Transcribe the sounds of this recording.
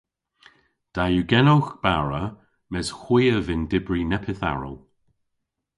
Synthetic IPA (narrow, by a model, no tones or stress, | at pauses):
d̥ajuɡɛnowxb̥aɹə | mɛzxwiːəvɪndɪbɹinɛpʰɪθa̰ɹə̰lˠ